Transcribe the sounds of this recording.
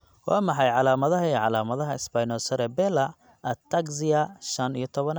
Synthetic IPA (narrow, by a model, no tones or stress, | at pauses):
wɑːmɑħɑjʕɑlaːmɐðɐɦɐiʕɑlaːmɐðɐɦɐɪsbajnɔːsɐɾɛbɛlɐ | ɐt̪ʰɐɡsɪjɐʃɐnijɞt̪ʰɔβɐn